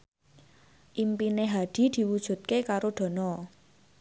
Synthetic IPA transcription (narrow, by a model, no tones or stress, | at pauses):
ʔimpineɦad̪̥i̤d̪̥i̤wud̥ʒ̥ṳt̪̚kekaɾoɖ̪̥ɔ̤nɔ